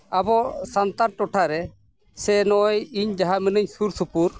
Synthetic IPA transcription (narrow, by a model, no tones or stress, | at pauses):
abɔsant̪aɾʈɔʈʰaɾɛ | sɛnɔjiɲd͡ʒaɦaminəɲsuɾsupuɾ